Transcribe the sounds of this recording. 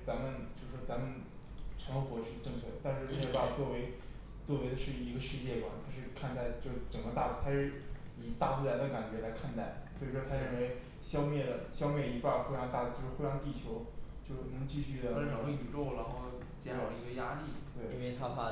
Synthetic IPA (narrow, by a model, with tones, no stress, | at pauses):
t͡sa˧˥nmə˨nt͡ɕjo˥˧ʊʂ̩˩wɔ˥t͡sa˧˥mə˨n | ʈ͡ʂʰɤ˧˥ŋxwɔ˧˥ʂɻ̩˥˧ʈ͡ʂɤ˥˧ŋt͡ɕʰɥɛ˥˩d̪ə˩t̪a˥˧nʂɻ̩˥˧˥e˥˧pa˥˩t͡swɔ˥˩we˧˥ɪ | t͡swɔ˥˩we˧˥ɪd̪ə˧ʂɻ̩˥˩i˧˥ɡə˧ʂɻ̩˥˧t͡ɕjɛ˥˩kwa̰˨˩nt̪ʰa˥ʂɻ̩˥˧kʰa˥˧nt̪a˥˩ɪt͡ɕjo˥˧ʂʈ͡ʂə˨˩ŋɡə˦t̪a˥˩t̪ʰa˥ʂɻ̩˥˩i˨˩t̪a˥˧t͡sɹ̩˥˩ɻa˧˥nd̪ə˧ka˨˩nt͡ɕɥɛ˧˥la˧˥ɪkʰa˥˧nt̪a˥˩ɪswɔ˧˥i˨˩ʂwɔ˥t̪ʰa˥ɻə˥˩nwe˧˥ɪ | ɕjɑ˥ʊmjɛ˥˩d̪ə˩ɕjɑ˥ʊme˥˩ɪi˧˥pa˥˩dxwe˥˧ɪɻŋt̪a˥˧t͡ɕjo˥˧ʊʂɻ̩˥˧we˥˧ɪɻɑ˥˧ŋt̪̬i˥˩t͡ɕʰjo˧˥ʊt͡ɕjo˥˧ʊʂnɤ˧˥ŋt͡ɕi˥˧ɕy˥˩d̪ə˩˥˧y˨˩ʈ͡ʂo˥˩ʊɻa˧˥nxo˥˩ʊ | t͡ɕjɛ˧˥nʂɑ˨˩i˧˥ɡə˧ja˥li˥˩t̪we˥˩ɪ˧t̪ʰa˥pʰa˥